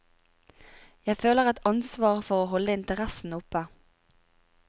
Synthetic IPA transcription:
jæɪføːləʁæt̪ɑnsʋɑːʁfɔʁoːɦhɔləɪnt̪əʁæsn̩ʊpə

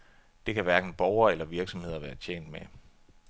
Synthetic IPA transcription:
d̥e̝kʰæʋæɐɡ̥n̩b̥ɒʊɐelɐʋiɐɡ̥sɒ̽mhe̝ð̞̰ˠɐʋæːɐt͡ɕʰḛːn̰d̥me

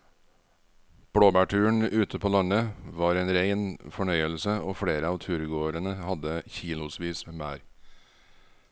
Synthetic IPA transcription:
b̥ɽoːbæːʈʰʉːɳʉːt̪ʰəpʰoːlɑnəʋɑːɾeːnɾeɪnfɔɳœʏəlsəoːfɽeːɾəɑːʋt̪ʰʉːɾɡoːɾənəhɑd̪əçiːlʊsʋiːsmeːmæːɾ

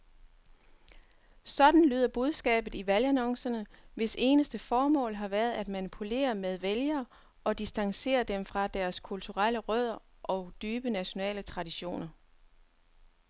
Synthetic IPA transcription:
sɒ̽d̥n̩ly̰ːðˠɐb̥uð̞ˠsɡ̥ɛ̰ːb̥ð̩ˠiʋælænɒ̽ŋsɐnə | ʋe̝se̝ːnəsd̥əfɒːmɔ̰̽ːlɦɑ̈ʋæɐð̞̩ˠæd̥mænipʰule̝̰ːɐmeð̞ˠʋeljɐː | ɒ̽d̥isd̥ɑ̈ŋse̝̰ːɐd̥emfʁɑ̈d̥æɐskʰult͡sʰuʁɑl̰əʁœð̞̰ˠɐ | ʔɒ̽ʊd̥yːb̥ənæɕo̝nɛ̰ːlət͡sʰʁɑ̈diɕo̝̰ːnɐ

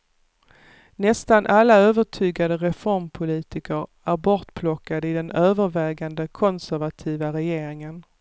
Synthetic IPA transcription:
nɛst̪anʔalːaøːvəʈʰyːɡad̪əɾɛfɔɾmpʰʊliːt̪ɪkəɾ | æɾbɔʈpʰlɔkːad̪əɪd̪ɛnøːvəɾvɛːɡand̪əkʰɔnsæɾvat̪ʰiːvaɾɛjeːɾɪŋən

